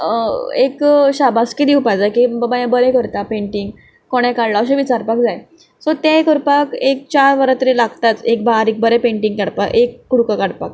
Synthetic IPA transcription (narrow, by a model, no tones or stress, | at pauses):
ekɕabaskid̪iupajd͡zajkibəbajãbəɾɛkəɾt̪apeɳʈiŋɡ | koɽ̃ɛ̃kaɽlaəɕ̬ẽʋit͡saɾpak̚d͡zaj | sɔt̪ẽkəɾpakek̚t͡ɕaɾʋəɾat̪əɾelaɡt̪at̪ek̚baɾik̚bəɾɛpeɳʈiŋɡkaɽpakʔekːuɽukakaɽpak̚